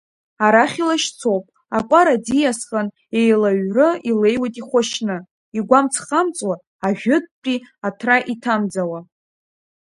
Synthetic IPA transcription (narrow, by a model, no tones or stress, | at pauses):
aɾaχʲilaʃt͡sʰowpʼ | akʷʼaɾadijasqʼan | ejlaɥrɨile̞jwajtʼiχʷaʃnɨ | iɡʷamt͡sʰχamt͡sʼwaː | ʒᶣʊd̚t͡pʼiatʰraʔitʰamd͡zawa